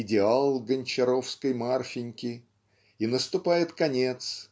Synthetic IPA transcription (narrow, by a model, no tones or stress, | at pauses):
ɪdʲɪalˠɡənʲt͡ɕɪɾo̞fskəjmarfʲɪnʲkʲɪ | inəst̪ʊpajɪt̪kɐnʲe̞t̪s